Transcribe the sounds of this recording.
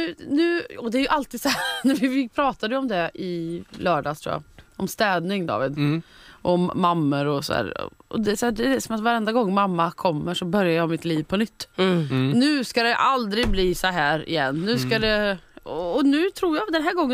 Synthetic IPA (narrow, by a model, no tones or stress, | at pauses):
ʉːnʉ̟ːɔd̪ɛæɾjɵʔalt̪iːd̪sɔhæɾnævɪvɪpʰɾɑːt̪ad̪əjəɔmd̪ɛɪlœːɖɑːt̪ʰɾṵːja̰ɔmst̪ɛːd̪nɪŋd̪ɑ̰ːvɪ̰d̪ʔɔmːamːəɾɔsɔ̰æ̰ːɾ̰ɔ̰d̪ɛsæːd̪ɛɛsɔmat̪vaɾɛnd̪aɡɔŋːmamːakʰɔmːəʂɔbœɾjajamɪt̪liːvpʰɔnʏt̪ː | nʉ̟ːskad̪ɛʔald̪ɾɪɡbliːsɔɦæːɾɪ̰jɛnːʉ̟ːskad̪ɛ | ɔnʉ̟ːt̪ʰɾuːɾjad̪ɛnɦæːɡɔŋːə